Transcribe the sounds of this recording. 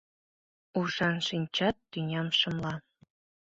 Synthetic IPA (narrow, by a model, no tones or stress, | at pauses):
uʃɑnʃinʲt͡ɕɑt̪ːynʲɑmʃɤ̆mlɑ